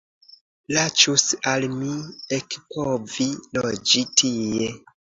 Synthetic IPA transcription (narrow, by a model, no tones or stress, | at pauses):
lat͡ʃusalmiekpʰovilod͡ʒitʰije